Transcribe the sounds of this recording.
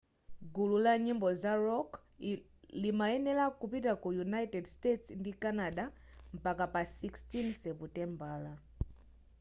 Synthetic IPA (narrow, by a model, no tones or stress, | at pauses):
ɡululaɲimbɔzaɾɔk | limaɛnɛlakupitakujunaitɛdstetsndikanaɗa | m̩pakapasikstinsɛputɛmbaːla